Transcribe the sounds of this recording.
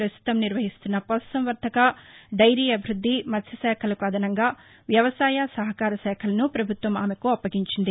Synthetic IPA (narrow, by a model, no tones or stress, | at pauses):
ɾɐst̪ʰu̥t̪ɐmniɾʋɐɦist̪unːɐpɔssɐmʋɐɾt̪ʰɐkɐd̪ɐjɾiːjɐbʱiɾud̪ʱːimɐt̪sʰɐsɛːkʰɐlɐkɐd̪ɐnɐŋɡaː | ʋjɐʋɐsaːjɐsɐɦɐkaːɾɐʃɛːkʰɐlɐnupɾɐbʱut̪ʋɐma̰ːmekuɐpːɐɡiɲt͡ʃind̪i